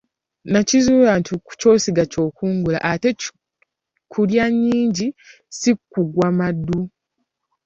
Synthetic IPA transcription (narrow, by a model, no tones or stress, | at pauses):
nacizuːlantʰiku̥co̞ːsiɡaco̞ːkuːŋɡula̰ʔate̞ | kʰuljaɲːiːɲɟi | sikːuɡwamadːu